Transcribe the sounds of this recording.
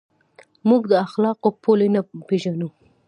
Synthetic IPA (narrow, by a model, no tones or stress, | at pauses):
muɡd̪əaxlɑqopʰolenapeʒanu